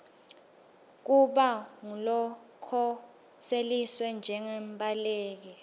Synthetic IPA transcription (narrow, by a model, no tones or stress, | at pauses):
k̬uɓaŋulɔkʰɔ | seliswɛnd͡ʒʱɛŋembʼaleːk̬i